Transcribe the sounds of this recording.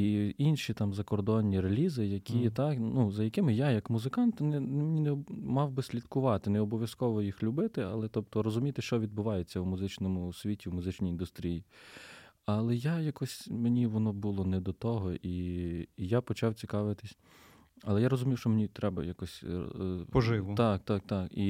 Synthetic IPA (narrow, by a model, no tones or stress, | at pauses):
iinʃʲit̪ɑmzɐkɔrd̪ɔnʲːiɾelʲizɪjɐkʲit̪ɑnuzɐjɐkɪmɪjajɐkmʊzɪkɑnt̪nɛnɛmenʲinɛmɑwbɪsʲlʲit̪kʊʋɑt̪ɪnɛɔbɔʋʲjɐskɔʋɔjixlʲʊbɪt̪ɪɐlˠɛt̪ɔp̚t̪ɔɾɔzʊmʲijt̪ɪʃt͡ʃɔʋʲid̪̚bʊʋɑjet͡sʲːɐwmʊzɪt͡ʃnɔmʊsʲʋʲitʲiwmʊzɪt͡ʃnʲijind̪ʊst̪ɾʲiji | ɐlˠɛjajakɔsʲmenʲiʋɔnɔbulˠɔnɛd̪ɔt̪ɔɦɔʔi | japɔt͡ʃɑwt͡sʲikɑʋɪt̪ɪsʲ | ɐlˠɛjaɾɔzʊmʲiwʃt͡ʃɔmenʲit̪ɾɛbɐ̰jakɔsʲ | pɔʒɪt̪ɑkt̪ɑkt̪ɑki